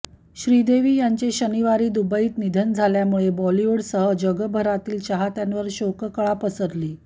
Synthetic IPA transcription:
ɕɾid̪eʋiːjaɲt͡ɕeɕəniʋaɾiːd̪ubəiːt̪nid̪ʱənd͡zʱaljamuɭebɔliuɽsəɦəd͡ʑəɡəbʱəɾat̪iːlt͡ɕaɦat̪janʋəɾɕokəkəɭapəsəɾliː

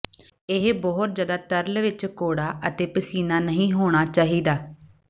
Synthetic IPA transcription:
ɪɦbɔːɦʊt̪̚d͡ʒəd̪aːt̪əɾlʋɪt͡ʃkoːɽaːʔət̪eːpəsiːnaːnəɦĩːɦoːɽ̃aːt͡ʃaːɦiːd̪aː

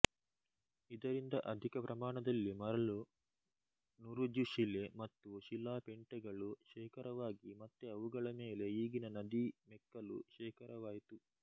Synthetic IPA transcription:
id̪ɐɾind̪ɐʔɐd̪ʱikɐpɾɐmaːɳɐd̪ɐlːimɐɾɐɭu | nuɾud͡ʒuʃile̞mɐt̪ːuʃilaːpeɳʈɛɡɐɭuʃɛːkɐɾɐʋaːɡimɐt̪ːeɐʋuɡɐɭɐmeːle̞iːɡinɐnɐd̪imɛkːɐlṵʃɛːkɐɾɐʋaːjit̪u

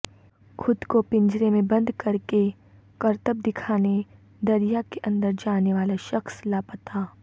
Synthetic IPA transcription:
xʰʊd̪kopɪ̃ɲd͡ʒɾemẽbɐ̃nd̪kɐɾke | kɐɾt̪əb̚d̪ɪkʰaːne | d̪ɐɾijakeʔɐ̃nd̪əɾd͡ʒaːneʋaːlaʃɐxslaːpət̪aː

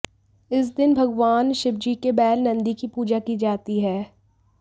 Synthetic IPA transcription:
ɪs̬d̪ɪnbʱɐɡʋaːnʃɪb̚d͡ʒikebɛːlnɐ̃nd̪ikipuːd͡ʒakid͡ʒaːt̪iɦɛː

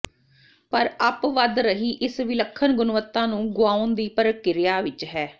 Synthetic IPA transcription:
pəɾəpʋəd̪ɾəɦiːʔɪsʋɪləkʰːənɡʊnʋət̪ːãːnũːɡʊaːʊnd̪iːpəɾəkɪɾɪjaːʋɪt͡ʃɦɛː

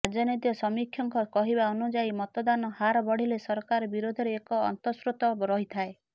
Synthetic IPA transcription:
ad͡ʒɔnit̪jɔsɔmikʰjɔŋkɔkɔɦibaɔnud͡ʒaimɔt̪ɔd̪anɔhaɾɔbɔɽ̤ilesɔɾkaɾɔbiɾod̪ʱɔɾeːkɔ̰ːnt̪ɔsɾut̪ɔɾɔɦit̪ʰae

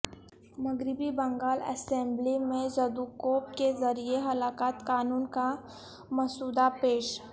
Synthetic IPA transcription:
mɐɡɾɪbibɐ̃ŋɡaːlɛ̰sẽmblimẽzɐd̪ukoːp̚kezɐɾieɦɐlaːkaːt̪kaːnuːnka | mɐsuːd̪apeːʃ

